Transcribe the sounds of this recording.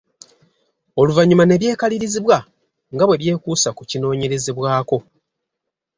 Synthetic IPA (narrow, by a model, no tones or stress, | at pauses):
o̞luvaɲumane̞βje̞ːkaliɾiziβwa | ŋɡaβwe̞βje̞ːkuːsakucino̞ːɲe̞ɾe̞zeβwaːko̞